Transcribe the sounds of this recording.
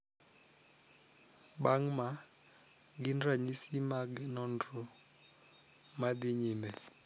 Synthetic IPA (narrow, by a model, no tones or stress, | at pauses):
baŋma | ɡindaɲisimaɡɛnɔndɔ | madɪɲimɛ